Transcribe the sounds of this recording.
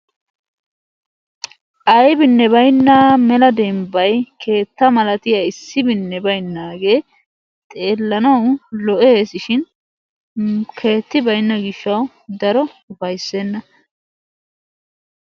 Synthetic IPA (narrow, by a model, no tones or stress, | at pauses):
ʔɐjbɪnːɛβɐjnːɐmɛlɐd̪ɛmbɐjkʰe̞ːt̪ːɐmɐlɐt̪ɪjɐɪsːɪbɪnːɛbɐjnːaːɡe̞ː | t̪ʼe̞ːlːɐnɐwlɔʔesɪʃɪn | kʰe̞ːt̪ːɪbɐjnːɐɡɪʃːɐw | d̪ɐɾɔʊfɐjsːeːnːɐ